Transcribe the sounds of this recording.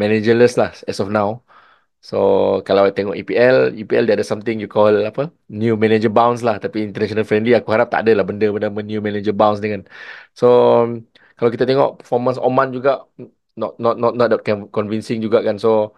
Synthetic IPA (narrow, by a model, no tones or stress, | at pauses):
mɛned͡ʒələslahɛsɔfnãw | sokalawajt̪ɛŋɔʔipiɛlipiɛldaadasamt̪ɪŋjukɔlapə | njumɛnɛd͡ʒəbãwns̬laht̪apiːnt̪ənɛʃɔnalfɾɛ̃ndliakuɦaɾap̚t̪a̰ʔa̰dəlahbəndəbəndəmə̃njumɛ̃ned͡ʒəbãwns̬dikanso | kalawkit̪at̪ɛŋɔ̰ʔpə̥fɔmə̃nsɔ̰mãnd͡ʒuɡaʔ | nɔtnɔt̪̚nɔt̚nɔt̚dakkɔnvinsɪ̃ŋd͡ʒuɡaʔkanso